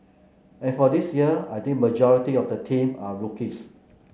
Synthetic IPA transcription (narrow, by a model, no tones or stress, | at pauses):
ɛ̃nfɔdisjiəajt̪ĩŋ̚məd͡ʒɔɹitiɔfdətʰĩmaɹukis